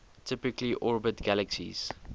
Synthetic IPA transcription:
tʰɪpɪkliʔɔɹbətɡ̥æləksḭz̥

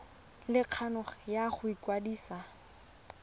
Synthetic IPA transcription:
lɪq͡χʰanʊχjaχʊikwadiːsa

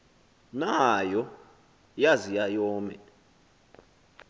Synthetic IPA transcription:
najɔ | jazijajɔːmɛ̰

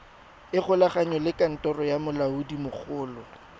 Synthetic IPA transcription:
ɪχʊlaχaɲɔlɪkʼan̩tʼɔrɔjamʊlaudimʊk͡xʰʊːlɔ

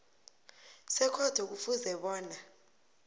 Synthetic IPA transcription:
sɛkʰɔd̥ʰʱɔk̬ufuzɛɓɔːna

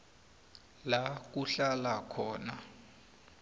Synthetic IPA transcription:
lak̬uɬalakʰɔːna

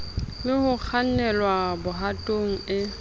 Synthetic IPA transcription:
mɪhʊk͡xʰan̩nɛlwabʊɦatʼoŋ̩ɪ

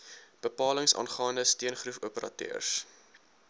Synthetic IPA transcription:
b̥əpɑːləŋsɑ̰ːnχɑːndəstiənχrufuəpəɾʔɑ̰tø̰ːrs

